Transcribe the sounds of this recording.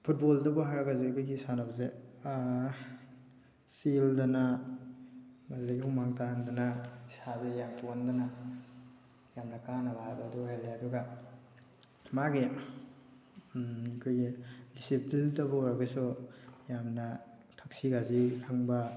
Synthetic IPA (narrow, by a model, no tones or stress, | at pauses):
pʰut̚boldɐbɔɦaɾaɡazikʰojɡisanabɐze | sildɐna | mazdaɡihumaŋtandɐnaisazejampondana | jamnɐkanɐbaɾabaːduɦalːeɐduɡa | maɡi | ɐkʰojɡidisiplindɐbɔɾaɡasujamnɐ | tʰaksiɡazikʰaŋbɐ